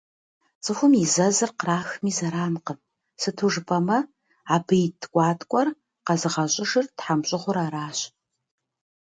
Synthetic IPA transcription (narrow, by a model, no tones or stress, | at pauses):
t͡sʼɨxʷʊmizɐzɨrqraːxmiːzɐɾaːnqəm | sɨtʰuʐɨpʰʼɐmɐ | aːbɨjtʰkʷʼɑːtʼkʷʼɔr | qɐzɨʁɐɕʼɪʂɨrtħamɕʼɪʁʷʊɾaːɾaːɕ